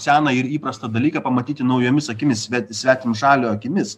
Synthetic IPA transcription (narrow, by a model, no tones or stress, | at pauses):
sʲæːnɐɪɾiːpɾɐst̪ɐd̪ɐlʲiːkɐpɐmɐt̪ʲiːt̪ʲɪnɐʊjoːmʲɪsɐkʲɪmʲɪsʲʋʲæt̪sʲʋʲæːt̪ʲɪmʃɑːlʲoːɐkʲɪmʲɪs